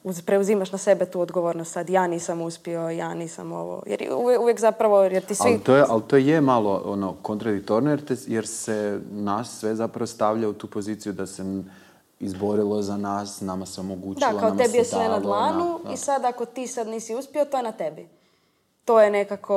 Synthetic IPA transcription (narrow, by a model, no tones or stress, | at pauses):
uzpɾeuzimaʃnase̞bet̪uːod̪ɡoʋoɾnost̪sad̪jaːniːsamuspio̞jaːniːsa̰mo̰ʋo̰jḛɾ̰uuʋjekzapɾaʋo̞jeɾt̪isʋilt̪ojeʔalt̪oːjjemalˠoonokont̪ɾad̪ik̚t̪oɾnojeɾt̪ejeɾsenasːʋezapɾaʋost̪aʋʎaut̪uːpo̞ziːt̪sijud̪ase | izbo̞ɾilˠozanaːsnamaseomoɡuːt͡ʃd̪iakloaot̪ebijesʋenad̪lˠaːnuisad̪akot̪iːsad̪niːsiuspiot̪ojenat̪ebi | t̪oːjenekakʰo